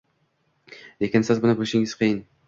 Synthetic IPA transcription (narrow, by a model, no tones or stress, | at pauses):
lekʲɪnsɪzbʊnɪbɪlɪʃɪŋɪz̥qʰijɪn